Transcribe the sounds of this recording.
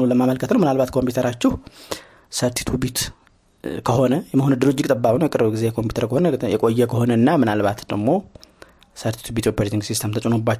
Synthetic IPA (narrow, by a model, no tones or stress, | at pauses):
uləmːaməlkʰət̪nəwmɨnalbat̪kʰo̞mpiut̪ʰəɾat͡ʃːɪh | səɾt̪ʰi̥t̪ʰubit̪ | kʰəho̞nəjɛməhonɨd̪ɨɾot͡ʃːɪkʼt̪ʼəbːaβnəjɛkʼɨɾbɡize̞jɛkʰo̞mpjut̪əɾkʰəho̞nəjɛkʼo̞jːɛkʰəho̞nəɨnːamɨnalβat̪d̪əɡmo̞ | səɾt̪ʰi̥t̪ʰubit̪jopaɾt̪ʰiŋɡsist̪ʰəmt̪ʰət͡ʃʼonobːat͡ʃː